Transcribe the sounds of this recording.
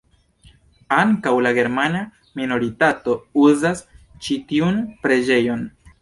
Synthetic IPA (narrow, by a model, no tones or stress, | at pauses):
aŋkawlaɡe̞ɾmana | mino̞ɾitato̞uzast͡ʃitiunpɾe̞d͡ʒe̞jo̞n